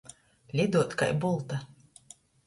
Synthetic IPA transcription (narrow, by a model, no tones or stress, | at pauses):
lʲid̪uːt̪ka̰jbɔlˠt̪a